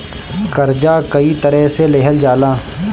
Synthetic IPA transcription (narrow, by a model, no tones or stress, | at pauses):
kəɾd͡ʒaːkɐit̪əɾɛɦseleɦəld͡ʒaːlaː